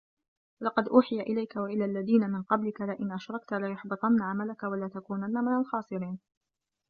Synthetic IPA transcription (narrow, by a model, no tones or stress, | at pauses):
lɑqɑd̪ʔuːħɪjaʔɪlajkawaʔɪlaːlːaðiːnamɪnqɑblɪkalaʔɪnʔaʃɾˤɑk̚t̪alajʊħbɨt̪ˤɑnːaʕamalakawalaːt̪akuːnanːamɪnalxɑːsˤɨɾiːn